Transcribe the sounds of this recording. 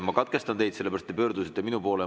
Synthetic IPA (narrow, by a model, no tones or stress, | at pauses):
mɑkɑt̪̚ke̞st̪ɑnt̪e̞jd̪seːeæɾɑst̪ːepø̞ːɾd̪usit̪ːeminupo̞ːle